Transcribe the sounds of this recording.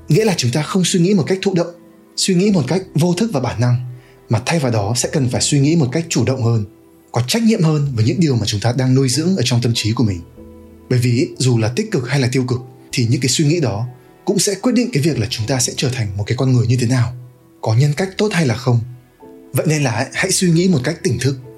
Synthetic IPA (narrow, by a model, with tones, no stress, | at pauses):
ŋḭ˧˥laː˨˩t͡ɕʊ˨˦ŋ͡mt̪aː˧xə˧wŋ͡mswi˧ŋḭ˧˥mo˨˩ka˦˥k̚t̪ʰṵ˧˨ɗə̰˧˨wŋ͡m | swi˧ŋḭ˧˥mo˨˩t̚ka˦˥jk̟̚vo˧t̪ʰk̚vaː˨˩ɓaː˧˩nːa˧ŋ | maː˨˩t̪ʰa˧jvaː˨˩wɗɔ˨˦sɛ̰˧˥kə˨˩nfaː˧˩jswi˧ŋḭ˧˥mo˨˩t̚ka˦˥jk̟̚t͡ɕu˧˩ɗə̰˧˨wŋ͡mhəː˧n | kɔ˨˦t͡ɕa˦˥jk̚ɲḭ˧˨əmhəː˧nvaəː˨˦jɲɨ̰˧˥ŋɗi˨˩əwmaː˨˩t͡ɕʊ˨˦ŋ͡mt̪aː˧ɗaː˧ŋnu˧jzɨ̰˧˥əŋʔəː˧˩t͡ɕɔ˧wŋ͡mt̪ə˧mt͡ɕi˨˦ku˧˩əmï˨˩ŋ̟ | ɓəː˧˩jvi˨˩zu˨˩laː˨˩t̪ï˦˥k̟̚kɨ˨˩k̚ha˧jlaː˨˩t̪i˧ə˧wkɨ˨˩k̚ | t̪ʰi˨˩ɲɨ̰˧˥ŋkaː˨˦jswi˧ŋḭ˧˥ɗɔ˨˦ | kʊ̰˧˥ŋ͡msɛ̰˧˥kwi˦˥t̚ɗḭ˧˨ŋ̟kaː˨˦jvi˨˩ək̚laː˨˩t͡ɕʊ˨˦ŋ͡mt̪aː˧sɛ̰˧˥t͡ɕəː˧˩t̪ʰa˨˩jŋ̟mo˨˩t̚kaː˨˦kɔ˧nŋɨ˨˩əjɲɨ˧t̪ʰe˨˦naː˨˩w | kɔ˨˦ɲə˧nka˦˥jk̚t̪o˦˥t̚ha˧jlaː˨˩xə˧wŋ͡m | və̰˧˨jne˧nlaː˨˩ʔha̰˧˥jswi˧ŋḭ˧˥mo˨˩t̚ka˦˥jk̚t̪ï˧˩ŋ̟t̪ʰɨ˦˥k̚